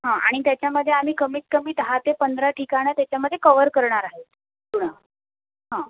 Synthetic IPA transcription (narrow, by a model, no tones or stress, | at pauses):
ɦãʔa̰ɽ̃it̪jat͡ɕjaməd̪ʱːjeam̤iːkəmiːt̪̚kəmiːt̪ɦat̪epənd̪ɾaʈʰikaɽ̃ət̪jat͡ɕjaməd̪ʱːjekəʋəɾkəɾɳaɾaɦe | kuɽ̃a | ɦã